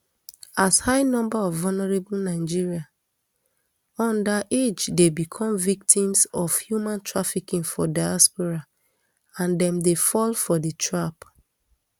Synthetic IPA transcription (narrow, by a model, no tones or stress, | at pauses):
ashaɪnɔ̃mbaɔvvɔlnɛɹebl̩naɪd͡ʒiɹia | ɔ̃ndaʔed͡ʒdebikʰɔ̃mvik̚tĩmsɔv̥hjumãntʰɹafikĩŋfɔdajaspɔɹa | ãndɛ̃mdefɔlfɔdətʰɹap